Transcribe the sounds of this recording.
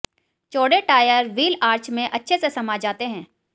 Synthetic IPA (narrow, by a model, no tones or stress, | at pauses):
t͡ʃoːɽeʈaːjəɾʋiːlaːɾt͡ʃmẽʔɐtːʃʰesesɐmaːd͡ʒaːt̪eɦɛ̃ː